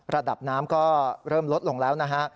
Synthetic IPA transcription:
ɾa˧da˨˩p̚naː˦˥mkɔː˥˩ɾɤː˥˩mlo˦˥t̪̚lo˧˩ŋlɛː˦˥wna˦˥kʰa˦˥ʔ

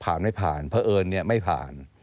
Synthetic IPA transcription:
pʰaː˨˩nma˥˩jpʰa̰ː˨˩npʰa˧ʔɤː˧nːi˥˩ɐma˥˩jpʰa̰ː˨˩n

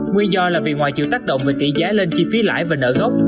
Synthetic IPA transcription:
ŋwi˧nzɔ˧laː˨˩vi˨˩ŋwaː˨˩jt͡ɕḭ˧˨wt̪aː˦˥k̚ɗo̰˧˨wŋ͡mveː˨˩t̪ḭ˧˩zaː˨˦le˧nt͡ɕi˧fi˨˦la̰ː˧˥˨jvaː˨˩nə̰ː˧˨ɣə˦˥wk͡p̚

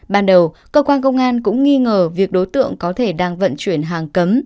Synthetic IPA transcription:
ɓaː˧nɗə˨˩w | kəː˧kwaː˧nkə˧wŋ͡mʔaː˧nkʊ̰˧˥ŋ͡mŋi˧ŋəː˨˩vi˨˩ək̚ɗo˨˦jt̪ɨ̰˧˨əŋkɔ˨˦t̪ʰe˧˩ɗaː˧ŋvə̰˧˨nt͡ɕwi˧˩ənɦaː˨˩ŋkə˨˦m

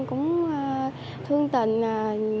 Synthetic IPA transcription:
kʊ̰˧˥ŋ͡m | t̪ʰɨ˧əŋt̪ï˧˨nː˨˩

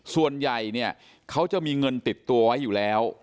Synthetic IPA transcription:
su˨˩ənja˨˩jni˥˩ə | kʰa˦˥wt͡ɕa˨˩miː˧ŋɤ˧nt̪i˨˩t̪ːu˧əwa˦˥jːuː˨˩lɛː˦˥w

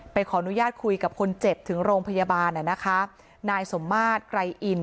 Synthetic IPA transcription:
pa˧jkʰɔː˩˦ʔa˧nu˦jaː˥˩t̪̚kʰu˧jka˨˩p̚kʰo˧nt͡ɕe˨˩p̚t̪ʰɯ˩˦ŋɾoː˧ŋpʰa˧ja˧baː˧nʔa˨˩na˦˥kʰa˦˥ | naː˧jso˩˦mːaː˥˩t̪̚kɾa˧jʔi˨˩n

